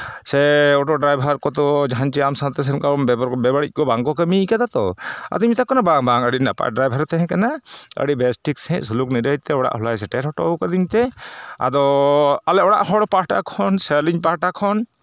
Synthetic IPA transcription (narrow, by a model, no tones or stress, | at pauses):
sɛɔʈɔɖɾajbʱaɾkɔt̪ɔd͡ʒaɦant͡ʃɛamsat̪ɛs̬ɛnkambɛbɾbɛbaɽic̚kɔbaŋkɔkəmikad̪at̪ɔ̰a̰d̪ɔimit̪akɔnabaŋbaŋəɽina̰pa̰ɖɾajbʱaɾt̪ɛɦɛ̃kanaə̰ɽibɛsʈiksɛ̃ʔ̚sulukniɾəj̚t̪ɛɔɽa̰ʔɦɔlajs̬ɛʈɛɾɦɔʈɔkad̪iɲt̪ɛa̰d̪ɔalɛʔɔɽa̰ʔhɔɽɔpaʈa̰kʰɔnsɛliɲpaʈakʰɔn